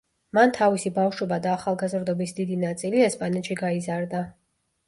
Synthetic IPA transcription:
mant̪ʰavisibafʃwɛbad̪aːχalˠɡazɾd̪ɔbisd̪id̪inat̪sʼiliɛspʼanɛt̪ʃiɡaizaɾd̪a

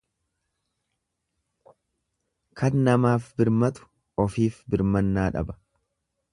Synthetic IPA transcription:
kʰɐnːɐmaːfbɪɾmɐt̪ʊ̥ | ɔfiːfbɪɾmɐnːaːᶑɐ̰bɐ̥

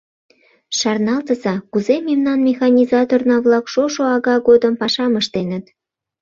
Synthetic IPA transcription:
ʃɑrnɑlt̪əzɑkuzememnɑnmʲexɑnʲizɑt̪ornɑβlɑkʃoʃoɑɣɑɡod̪əmpɑʃɑməʃt̪enət̪

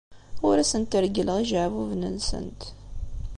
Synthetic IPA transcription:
ʊɾæsənt̪əɾɡələʁiʒʕvuvnə̰nsə̰nt̪

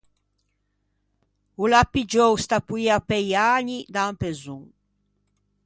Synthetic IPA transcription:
ulapːid͡ʒowst̪apuiapɛjaːɲid̪ampezuŋ

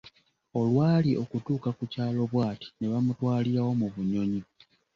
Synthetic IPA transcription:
o̞lwaːliʔo̞kutuːkakucaːlo̞βwaːti̥ne̞βamutwaːliɾawo̞muβuɲo̞ɲi

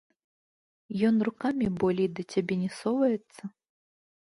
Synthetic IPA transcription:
jɔnrukamʲibɔlʲɛjd̪ɐt͡sʲabʲɛnʲɛsɔvɐjɛt̪sːɐ

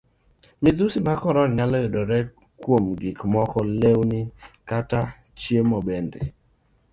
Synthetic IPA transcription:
mid̪usimakɔɾɔnɲalɔjodɔɾɛ | kwomɡɪkmɔkɔlewnɪkata | t͡ʃjemɔbɛndɛ̰

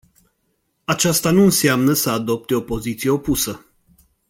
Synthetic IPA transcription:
at͡ʃast̪anuɨnseamnəsəad̪o̞p̚t̪e̞o̞po̞zit̪sije̞o̞pusə

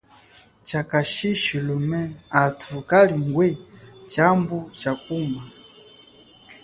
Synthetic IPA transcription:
t͡ʃakaʃiʃilumɛatʰukaliŋ̩ɡwɛt͡ʃambut͡ʃak̚uma

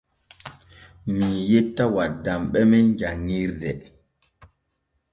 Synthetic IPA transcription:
mijetːawadːamɓɛmɛnd͡ʒaŋiɾdɛ

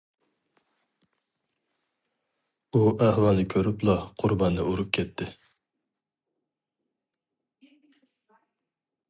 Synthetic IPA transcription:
uʔæhwɑnɨkʲʰøɾyplˠɑqʰʊɾbɑnːɨuɾup̚kʲʰɛt̪ʰːɪ

